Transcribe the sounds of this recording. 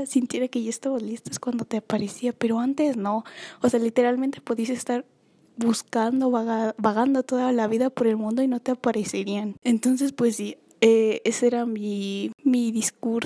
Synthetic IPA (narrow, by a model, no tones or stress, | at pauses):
sint̪je̞ɾake̞ʝoest̪aβalist̪oeskwand̪o̞t̪eapaɾe̞siape̞ɾo̞ant̪e̞zno̞ose̞alit̪e̞ɾalment̪e̞̥poðiasest̪aɾ | buskand̪o̞βaɣabaɣand̪o̞t̪o̞ðalaβiðapoɾe̞lmũnd̪o̞ino̞t̪eapaɾe̞se̞ɾianent̪o̞ns̬e̞spwe̞sːi | eesoeɾamimiðiskuɾ